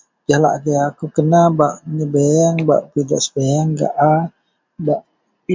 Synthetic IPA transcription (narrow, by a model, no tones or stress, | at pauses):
d͡ʒahla̰ʔkəjakukənabaʔɲəbejaŋba̰ʔpidaʔsə̥bejaŋɡa̰ʔa | baʔ | pi